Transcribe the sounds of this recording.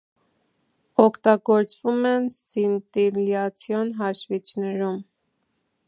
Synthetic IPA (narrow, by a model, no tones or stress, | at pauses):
ɔkʰt̪ɑɡɔɾt͡svumɛnt͡sint̪iljɑt͡sʰjɔnɦɑʃvit͡ʃʰnɛɾum